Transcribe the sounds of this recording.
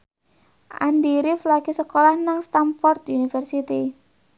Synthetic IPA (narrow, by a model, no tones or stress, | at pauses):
ʔandiɾɪflaɡisəkolahnaŋst̪amfɔrt̪unifərsit̪i